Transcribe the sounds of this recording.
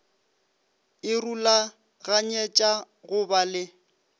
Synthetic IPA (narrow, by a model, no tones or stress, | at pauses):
ɪrula | ɣaɲɛt͡ʃʼa | ɣʊbalɪ